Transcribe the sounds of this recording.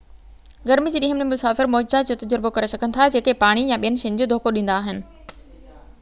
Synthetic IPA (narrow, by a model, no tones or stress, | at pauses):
ɡɐɾmid͡ʑiːɗɪɦəmnẽmʊsaːfɪɾmɔːd͡ʑzad͡ʑot̪ɐd͡ʑəɾbokɐɾesɐɡʱənɪ̆t̪ʰad͡ʑeːkepaːɽ̃ijãɓijənɪ̆ʃɪ̃ɲd͡ʑod̪ʱoːkoɗĩːnd̪aːɦɪnɪ̆